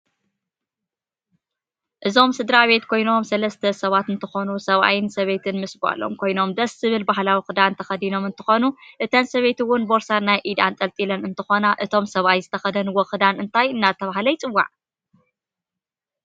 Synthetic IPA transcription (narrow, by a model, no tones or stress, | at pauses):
ʔɨzo̞msɨd̪ɾaβe̞t̪kʰo̞jno̞msɐlɐst̪ʰɐsɐβat̪ɨnt̪ʰɨxonusɐβa̰jɪnsɐβe̞t̪ʰɨnmɨsba̰lːo̞̰mkʰo̞jno̞md̪ɐszɨβɨlbahlawixɨd̪aɨnt̪ʰɐxɐd̪ino̞mɨnt̪ʰɨxonuʔɨt̪ʰɐnsɐβe̞t̪ɨwʊnbo̞ɾsanːajʔid̪a̰nt̪ʼɐlt̪ʼilɐnɨnt̪ʰɨxo̞naʔɨt̪ʰo̞msɐβajzɨt̪ʰɐxɐd̪ɐnwɔxɨd̪anɨnt̪ʰajɨnːat̪ʰɐβaɦlɐjt͡sʼɨwːa̰ʕ